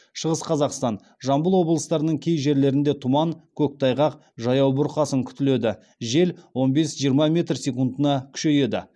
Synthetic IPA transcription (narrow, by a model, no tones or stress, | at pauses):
ʃəʁəsqʰɑzɑqst̪ɑn | ʒɑmbəlˠwo̞bəlˠəst̪ɑɾənəɴkʲʰe̞jʒe̞ɾle̞ɾɪnd̪e̞t̪ʰʊmɑŋkʲʰɵk̚t̪ʰɑjʁɑq | ʒɑjɑwbʊɾqɑsəŋkʲʰʏ̥t̪ɪle̞d̪ɪ | ʒe̞lwo̞nbe̞sʒijəɾmɑmʲe̞t̪rsʲekund̪ənɑkʲʰʏ̥ʃe̞je̞d̪ɪ̰